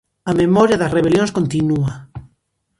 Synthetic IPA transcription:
ɐmemɔɾjaðɐsreβeljõnskont̪inua

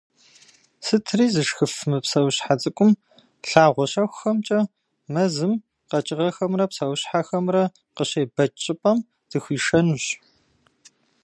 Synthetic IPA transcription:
sɨtʰriːzɨʂxɨfmɨpsɐwɕħat͡sʼɨkʷʼʊm | ɬaːʁʷɔɕɐxʷxɐmt͡ʃʼɐ | mɐzɨm | qɐt͡ʃʼɪʁɐxɐmrɐpsɐwɕħaxɐmrɐ | qəɕejbɐt͡ʃʼɪpʼɐm | d̥ɨxʷiːʂɐnuɕ

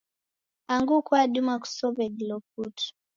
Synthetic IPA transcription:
aŋɡukwaɗumaku̥sɔvɛdilɔp̚utu̥

